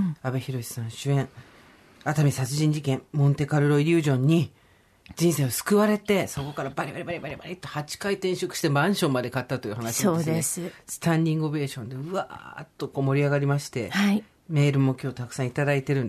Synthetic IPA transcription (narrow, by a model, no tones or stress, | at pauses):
abe̞çiɾo̞ɕi̥sãɰ̃ɕɨẽ̞ɴ | at̪amʲisat͡sɨʑĩɲ̟d͡ʑikẽ̞mmõ̞nt̪e̞kaɾɯ̟ɾo̞iɾʲɯ̟ːʑõ̞ɲ̟ːi | d͡ʑĩɰ̃se̞ːosɨ̥kɯβaɾe̞t̪e̞so̞ko̞kaɾabaɾʲebaɾʲebaɾʲebaɾʲebaɾʲet̪ːehat͡ɕi̥kait̪ẽ̞ɕo̞kɯ̟ɕi̥t̪e̞mãɰ̃ɕõ̞mːad̪e̞kat̪ːat̪o̞iɯ̟hanaɕiioːed̪essɨ̥t̪ãɲʲd̪ʲĩŋɡobe̞ːɕõ̞nd̪e̞ɯ̟a̰t̪ːo̞koːmo̞ɾʲiaɡaɾʲimaɕi̥t̪e̞hai | me̞ːɾɯ̟mo̞kʲo̞ːt̪akɯ̟̥sãit̪ad̪ait̪e̞ɾɯ̟̃n